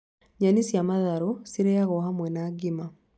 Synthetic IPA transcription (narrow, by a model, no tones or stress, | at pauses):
ɲanisjamaðaɾosiɾejaɣɔɦamwɛnaɡima